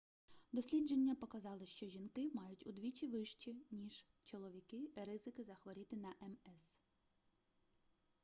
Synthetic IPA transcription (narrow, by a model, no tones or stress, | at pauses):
d̪ɔsʲlʲid͡ʒenʲːɐpɔkɐzɑlˠɪʃt͡ʃɔʒʲinkɪmɑjʊtʲud̪ʋʲit͡ʃʲiʋɪʃt͡ʃinʲiʒ̥ | t͡ʃɔlˠɔʋʲikɪɾɪzɪkɪzɐxʋɔɾʲit̪ɪnɐʔɛmɛs